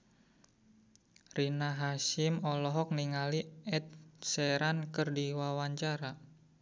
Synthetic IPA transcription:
rinaɦaʃɪmɔlɔɦɔk̚niŋaliɛt̪̚sɛɾankɨrdiwawaɲt͡ʃaɾa

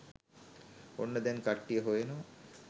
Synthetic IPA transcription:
onːəd̪ɛnkaʈːijəɦojenoʋɐ

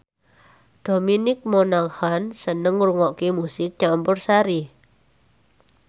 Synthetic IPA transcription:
d̥ominɪk̚monaŋhansənəŋɾuŋɔʔkimusɪk̚d͡ʒampʊrsaɾi

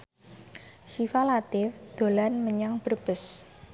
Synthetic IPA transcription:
ʃifalat̪ɪfd̪̥o̤lanməɲaŋb̥ərb̥əs

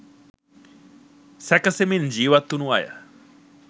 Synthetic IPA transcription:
sɛkɐsemind͡ʒiːʋat̪ːunua̰jə̰

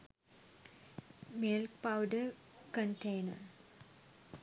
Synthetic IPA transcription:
milk̚pawɖə | kənʈejnə

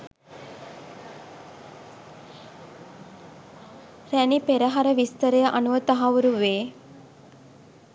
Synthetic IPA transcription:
rænipeɾəɦaɾəʋist̪əɾəjəʔanuʋət̪aɦaʋuɾuʋeː

